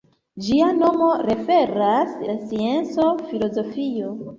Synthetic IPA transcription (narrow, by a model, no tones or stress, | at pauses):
d͡ʒiano̞mo̞ɾe̞fe̞ɾaslasie̞nt͡so̞filo̞zo̞fio̞